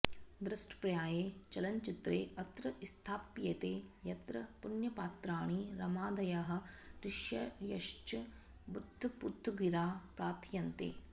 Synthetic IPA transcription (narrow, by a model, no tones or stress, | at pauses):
d̪ɾɐsʈʰpɾɐjaːjeːt͡ʃɐlɐɲt͡ʃit̪ɾḛːɐt̪ɾɐist̪ʰaːpːjɐt̪eːjɐt̪ɾɐpunjɐpaːt̪ɾaːɳ̃iɾɐmaːd̪ɐjaːɦɐ̆d̪ɾɪʃjɐjɐʃt͡ʃɐ | bud̪ʱːupud̪ʱːuɡiɾaːpɾaːt̪ʰjɐnt̪ḛː